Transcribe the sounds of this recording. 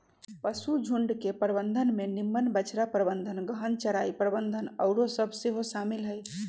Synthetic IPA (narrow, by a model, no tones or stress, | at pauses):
pəsud͡ʒʱuɳɖkepəɾəbənd̪ʱənmenimːənbət͡ʃɾapɾəbənd̪ʱənɡəɦənt͡ʃəɾaipɾəbənd̪ʱənəʊɾosəbʱseɦosamilɦəj